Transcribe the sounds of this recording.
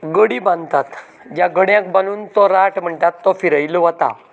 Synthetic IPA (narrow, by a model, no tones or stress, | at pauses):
ɡəɽibãnd̪t̪at̪ | d͡ʑjaɡəɽjãk̚baluːnt̪ɔɾaʈm̤əɳt̪at̪ːɔfiɾəjlʋət̪a̰